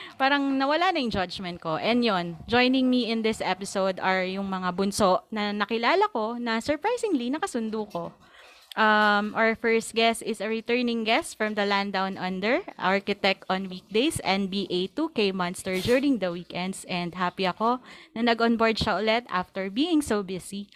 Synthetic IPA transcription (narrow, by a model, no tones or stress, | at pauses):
paːɾɐŋnɐwɐlanɐjʊŋd͡ʒɐd͡ʒmɛnt̪̚ko̞ʔɛnd̪jond͡ʒojnɪŋmiɪ̃nd̪ɪsʔɛpɪsowd̪ʔɐɹjʊŋmɐŋabʊnso̞ʔnɐnɐkɪlaːlɐko̞nɐsɔɹpɹajsɪŋlinɐkɐsʊnd̪uko̞ | ʔɐmʔafɛɹst̪̚ɡɛst̪ɪsɐɹɪt̪ɛɹnɪ̃ŋɡɛst̪fɹɐ̃md̪ɐland̪awnʔɐ̃nd̪ɛɹʔaɹkɪt̪ɛk̚t̪ʔɔ̃nwiːk̚d̪ejsɛn̚biʔet̪ukejmɐ̃nst̪ɛɹd͡ʒuːɹɾɪŋd̪ɐwiːkʔɛnd̪sʔɛnd̪ɦapiɐko̞nɐnɐɡʔɔnboɹd̪ʃɐʔʊlɛt̪a̰ft̪ɛɹbiːɪŋsowbɪsi